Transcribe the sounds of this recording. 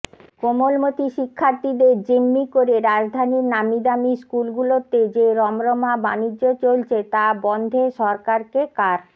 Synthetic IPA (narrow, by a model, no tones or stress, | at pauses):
komolmot̪iʃikʰːaɾt̪id̪eɾd͡ʑimːikoɾeɾad͡ʑd̪ʱaniɾnamid̪amiskulɡulot̪ed͡ʑeɾɔmɾomabaniːot͡ɕolt͡ɕʰet̪abɔnd̪ʱeʃɔɾkaɾkekaɾ